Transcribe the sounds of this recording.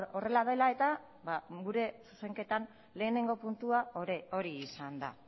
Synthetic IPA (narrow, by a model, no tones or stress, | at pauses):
o̞re̞laðe̞lae̞t̪a | baɡuɾe̞su̥se̞ŋke̞t̪an | le̞ːne̞ŋɡo̞punt̪uao̞ɾiːsand̪a̰